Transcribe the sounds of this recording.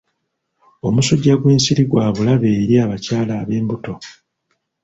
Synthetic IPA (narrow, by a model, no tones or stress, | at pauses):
o̞musuɟːaɡweːnsiɾiɡwaːβulaβe̞ːɾiaːβacaːlaːβe̞ːmbuto̞